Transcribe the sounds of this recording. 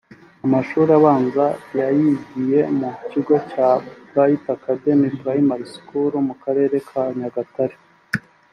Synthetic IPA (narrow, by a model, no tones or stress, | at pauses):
amaʃuːɾiaβaːŋzajajibɡije̞muciɡo̞caɡajitakade̞mitɡajimaɾiskuɾumukaɾe̞ːɾe̞kʰaɲaɡataɾe